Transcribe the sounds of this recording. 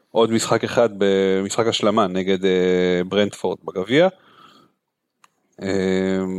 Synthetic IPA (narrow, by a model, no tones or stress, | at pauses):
ʔo̞d̪misχakeχad̪̚bemisχakaʃlamaneɡe̞d̪ebʁendfoʁd̪̚baɡavia | em